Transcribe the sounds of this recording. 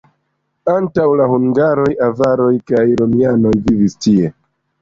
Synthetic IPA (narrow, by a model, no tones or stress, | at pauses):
antawlahuŋɡaɾo̞javaɾo̞jkajɾomiano̞jvivistie̞